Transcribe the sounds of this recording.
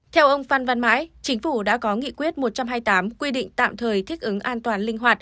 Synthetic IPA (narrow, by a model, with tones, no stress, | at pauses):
t̪ʰɛ˧wʔə˧wŋ͡mfa˧nva˧nma̰ː˧˥jt͡ɕï˨˦ŋ̟fu˧˩ɗa̰ː˧˥kɔ˨˦ŋḭ˧˨kwi˦˥ət̚mo˨˩t̚t͡ɕa˧mɦaː˧jt̪aː˨˦mkwi˧ɗḭ̈˧˨ŋ̟t̪a̰ː˧˨mt̪ʰəː˨˩jt̪ʰi˦˥k̚ʔɨ˨˦ŋʔaː˧nt̪waː˨˩nlï˧ŋ̟ɦwaː˨˩t̚